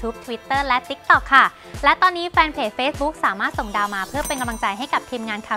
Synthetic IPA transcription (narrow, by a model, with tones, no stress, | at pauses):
t̪ʰuː˦˥p̚t̪ʰwi˦˥t̪ːɤː˥˩lɛ˦˥t̪i˦˥k̚t̪ɔ˨˩kʰːa˥˩ | lɛ˦˥t̪ɔː˧nːiː˦˥fɛː˧npʰeː˨˩t͡ɕ̚feː˦˥s̚bu˦˥k̚saː˩˦maː˥˩t̪̚so˨˩ŋdaː˧wmaː˧pʰɯ˥˩ɐpe˧nka˧mla˧ŋt͡ɕa˧jɦa˥˩jka˨˩p̚t̪ʰiː˧mŋaː˧nkʰaː˨˩